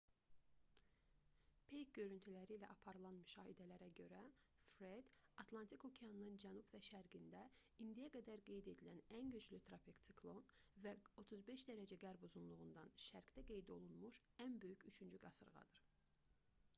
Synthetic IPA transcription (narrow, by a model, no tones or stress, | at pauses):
pʰejk̚ɟø̞ɾynt̪ʰylæɾiːlæʔɑpʰɑɾɯlˠɑnmyʃɑːhid̪ælæɾæɟø̞ɾæfɾed̪ɑt̪ʰlˠɑnt̪ʰikʰo̞cʰejɑnɯnɯnd͡ʒænubvæʃæɾɡind̪æind̪ijæɡæd̪æɾɡe̞jd̪e̞d̪ilænænɟyt͡ʃlyt̪ʰɾopʰikt̪sʰikʰlˠo̞nvæo̞t̪ʰuzbe̞ʃd̪æɾæd͡ʒæɡæɾbuzunlˠuʁund̪ɑnʃæɾɡd̪æɡe̞jd̪io̞lˠunmuʃ | ænbø̞jycyt͡ʃʰynd͡ʒyɡɑsɯɾʁɑ̰d̪ɯɾ̥